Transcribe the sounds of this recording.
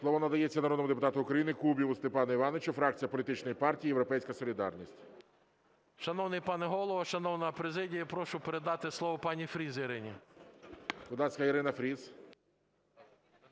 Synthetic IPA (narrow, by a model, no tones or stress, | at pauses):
slˠɔʋɔnɐd̪ɐjɛt͡sʲːɐnɐɾod̪nɔmʊd̪epʊt̪ɑt̪ʊʊkɾɐjinɪkubʲiʋʊst̪epɑnɐiʋɑnʋet͡ʃʊfɾɑk̚t͡sʲijɐpɔlʲit̪ɪt͡ʃnɔjipɑrtʲijːjewɾɔpɛjsʲkɐsɔlʲid̪ɑrnʲisʲtʲ | ʃɐnɔwnɪjpɑnɛɦɔlˠɔʋɐʃɐnɔwnɐɐpɾezɪdʲijɐpɾɔʃʊpeɾed̪ɑt̪ɪslˠɔʋɔpɑnʲifɾʲiziɾɪnʲḭ | kʊd̪lɑsʲkɐiɾɪnɐfɾʲiz